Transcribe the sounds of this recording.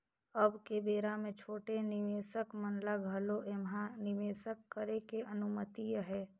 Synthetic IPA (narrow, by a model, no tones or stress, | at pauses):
əbkebeːɾamẽt͡ʃʰoːʈenɪʋeːsəkmənlaɡʱəloʔemɦanɪʋeːsəkːəɾekeʔənʊmət̪ijɦɛː